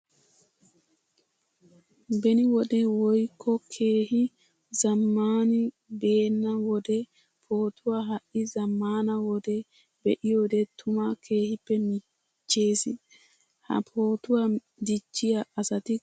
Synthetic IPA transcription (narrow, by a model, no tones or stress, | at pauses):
bɛnɪwɔd̪ɛwɔjkʰːɔkʰe̞ːhɪ | zɐmːaːnɪ | be̞ːnːɐwɔd̪ɛ | pʰo̞ːt̪ʰʊwaɦɐʔɪzɐmːaːnɐwɔd̪ɛ | bɛʔɪjoːd̪ɛt̪ʰʊmakʰe̞ːhɪpːɛmɪ | t͡ʃːe̞ːsɪ | hɐ̰pʰo̞ːt̪ʊwa | d̪ɪt͡ʃːɪjɐɐsɐt̪ɪ